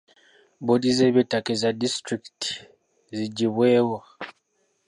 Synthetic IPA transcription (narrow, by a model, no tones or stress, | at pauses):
bodizeβetakezadistɾiktʰi̥ | ziɟiβweːwa